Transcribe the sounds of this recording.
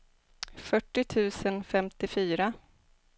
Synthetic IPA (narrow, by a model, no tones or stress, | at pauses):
fœʈːɪt̪ʰʉ̟ːsənfɛmt̪ɪfyːɾa